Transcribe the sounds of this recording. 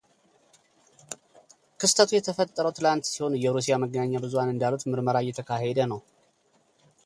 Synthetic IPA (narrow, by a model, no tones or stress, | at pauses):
kʰɨst̪ʰət̪ʰujɛt̪ʰəfət̪ʼːəɾəwt̪ʰɨlant̪siho̞njɛɾus̬ijaməɡːənaɲːabɨzuhanɨnd̪alut̪mɨɾməɾajɛt̪ʰəkʰaɦed̪ənəw